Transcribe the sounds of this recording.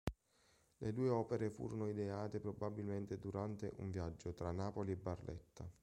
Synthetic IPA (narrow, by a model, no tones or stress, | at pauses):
led̪uːeɔːpeɾefṵːɾonoid̪eaːt̪epɾobabilment̪ed̪uɾant̪eʔṵɱvjad͡ʒːot̪ɾanːaːpoliɛbarlʔɛ̰t̪ːa